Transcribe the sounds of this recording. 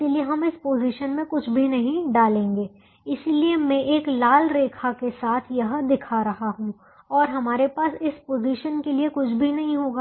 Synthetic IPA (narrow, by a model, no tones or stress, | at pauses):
ɪilieɦɐmɪspoːziʃənmẽkʊt͡ʃʰbʱinɐɦĩɖaːlẽːŋɡeː | ɪsiliemɛ̃ʔeːklaːlɾeːkʰakesaːt̪ʰjɐɦd̪ɪkʰaɾɐɦaɦũː | ɔːɾɦɐmaːɾepaːsɪspoːziːʃənkeliekʊt͡ʃʰbʱinɐɦĩɦoːɡaː